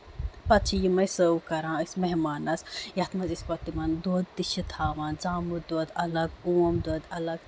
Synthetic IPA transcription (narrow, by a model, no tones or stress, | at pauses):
pɐt͡ʃʰijimɐjsəukɐɾãːismeɦmaːnɐsjɐt̪ʰmɐzispɐt̪imɐnd̪oːd̪̚t̪iʃit̪ʰaːʋand͡zaːmɨd̪oːd̪ɐlɐɡuwɐmd̪oːd̪ɐlɐɡ